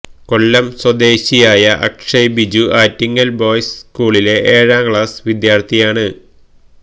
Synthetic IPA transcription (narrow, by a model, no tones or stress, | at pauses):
ko̞ɭːɐmswɐd̪e̞ːɕijaːjɐʔɐ̰kʂɐjbid͡ʑuaːtːiŋːɐlbo̞ːjsskuːɭile̞ʔeːɻaːmkɭaːsʋid̪jaːrt̪ʰijaːɳɨ